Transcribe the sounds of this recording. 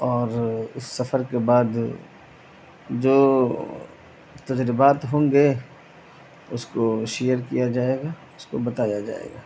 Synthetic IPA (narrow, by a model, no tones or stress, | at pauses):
ɔːɾʊsːɐfəɾkebaːd̪ | d͡ʒoː | t̪ɐd͡ʒɾɪbaːt̪ɦõːŋɡe | ʊskoʃejəɾkijad͡ʒaːeːɡaː | ʊsko̰bɐt̪aːjad͡ʒa̰ːḛːɡaː